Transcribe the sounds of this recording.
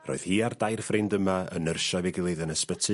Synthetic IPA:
ro̰ɨð̥hiːardajrfrɪndəmaə̰nərʃɔvɛɡɪlˠeðənəspətʰɨ

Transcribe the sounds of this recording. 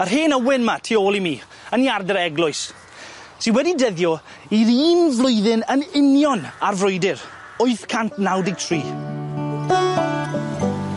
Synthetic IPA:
ər̥ɦeːnəwɪnmatʰiːoːlˠimiː | əniardəɾɛɡlˠʊɨs | tʰiːwɛdidɛðjɔ | iɾiːnvlˠʊjðɪnənɪnjɔnarvrʊjdɪr | ʊɨθkʰantnawdɪɡ̚tʰriː

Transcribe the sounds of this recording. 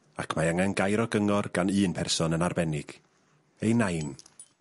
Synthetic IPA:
akʰmaaŋanɡajɾɔɡəŋɔrɡ̥anɨːnpʰɛrsɔnənarbɛnɪɡ̥ | ejnajn

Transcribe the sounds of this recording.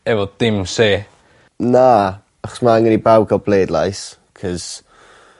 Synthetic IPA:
ɛvɔd̥ɪmseː | na | aχɔ̥smaaŋəɾibawɡɔbleːdlˠa̰js | kʰɔz̥

